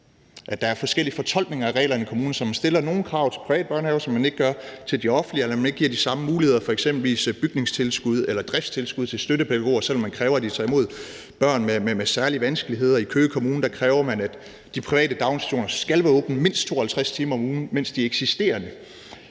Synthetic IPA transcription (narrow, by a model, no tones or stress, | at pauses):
ʔæd̥ɑ̈æɐfɒ̽sɡ̥el̰iəfɒ̽t͡sʰɒ̽l̰ɡ̥ne̝ŋɐæʁɛ̰ːlɐenikʰo̝muːn̩sɒ̽mːænsd̥e̝lɐno̝ːn̩kʰʁɑ̈ʊt͡sʰe̝lpʰʁiʋɛ̰ːd̥̚b̥ɶɐnɛːʊsɒ̽mːæne̝ɡ̥ə̥ɡ̥ɶɐt͡sʰe̝ld̥iɒ̽fn̩lielɐmæneɡ̥̚ɡ̥iɐ̰disɑ̈məmuːlihe̝ð̞̰ˠɐfɒ̽eɡ̥semb̥l̩ʋḭːsb̥yɡ̥ne̝ŋst͡sʰe̝lsɡ̥uð̞̰ˠelɐd̥ʁɛfst͡sʰe̝lsɡ̥uðˠt͡sʰe̝lsd̥øɾəpʰed̥æɡo̝̰ːɐsel̰ɒ̽mːænkʰʁɛːʊɐæd̥isʰɑimo̝ð̞̰ˠ | b̥ɶɐ̰nmememesæɐliəʋænsɡ̥əliɦe̝ð̰ˠɐikʰøːkʰo̝muːnəd̥ækʰʁɛːʊɐmænæd̥ː | ipʰʁiʋɛ̰ːd̥əd̥ɑ̈ʊnsæ̥ɕo̝̰ːnɐsɡ̥ælʋæɐɔ̽ːb̥n̩me̝n̰sd̥t͡sʰo̝ːɐhælt͡sʰʁast͡sʰiːmɐɒ̽muːn̩men̰sd̥iɐeɡ̥sisd̥e̝̰ːɐnə